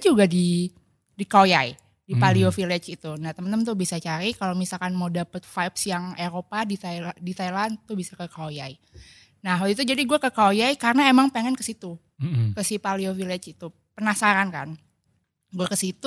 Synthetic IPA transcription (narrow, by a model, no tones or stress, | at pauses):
d͡ʒuɡadi | dikojai | dipaliofilɛt͡ʃit̪unaht̪əmənəmənt̪ubisat͡ʃaɾikalomisalkanmoudapət̪fajpsjaŋeɾopadit̪adit̪ajlant̪uhbisakəkajai | nahwalit̪ud͡ʒadiɡuakəkajaikarənaemaŋpeŋɛnkəsit̪u | kəsipaliofilɛt͡ʃit̪u | pənasaɾanka̰n | ɡuakəsit̪u